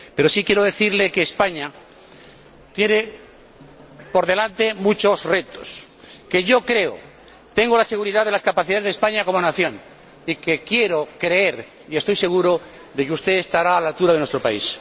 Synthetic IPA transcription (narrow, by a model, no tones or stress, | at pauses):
pe̞ɾo̞sikjeɾo̞ð̞e̞θiɾle̞keːspaɲa | t̪jene | po̞ɾðe̞lant̪e̞mũt͡ʃo̞sre̞t̪o̞s | ke̞ʝo̞kɾe̞o̰ | t̪e̞ŋɡolase̞ɣ̞uɾiðaðe̞laskapaθiðaðezðespaɲako̞monaθjõ̞n | ike̞kje̞ɾokɾe̞e̞ɾ | ie̞st̪o̞jse̞ɣuɾo | ðe̞keust̪e̞ːst̪aɾaːlalt̪uɾaðenwe̞st̪ɾo̞paḭs